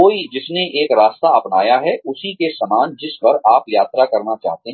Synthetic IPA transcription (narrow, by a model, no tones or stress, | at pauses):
oːid͡ʒɪsneʔeːkɾaːst̪aɐpnaːjaɦɛʔʊsikesɐmaːnd͡ʒɪspɐɾaːpjaːt̪ɾakɐɾnat͡ʃa̰ːɦt̪eɦ